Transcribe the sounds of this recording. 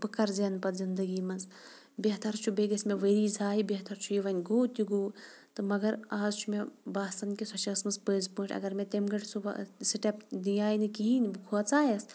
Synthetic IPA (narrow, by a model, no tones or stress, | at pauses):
bɨkɐɾzenpɐt̪zind̪ɐɡiːmɐnz | bʲeɦt̪ɐɾt͡ʃʰubeːɡɐsʲmeʋəɾiːd͡zʱaːibʲeɦt̪ɐɾt͡ʃʰujiʋɐnʲɡoːt̪ʲuɡoː | t̪ɨmɐɡɐɾaːzt͡ʃʰumebaːsɐnkʲisɐt͡ʃɐsmɐnspəːzpɨːʈʰʲɐ̰ɡɐɾmet̪emɡɐʈsṵsiʈɐpd̪ijaːjinɨkiɦinbɨkʰuɐt͡saːjɐs